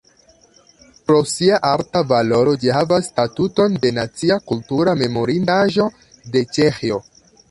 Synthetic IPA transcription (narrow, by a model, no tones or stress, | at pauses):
pɾo̞siaʔaɾtavalo̞ɾo̞d͡ʒihavasːtatuto̞nde̞nat͡siakultuɾame̞mo̞ɾindaʒo̞ | de̞t͡ʃexio̞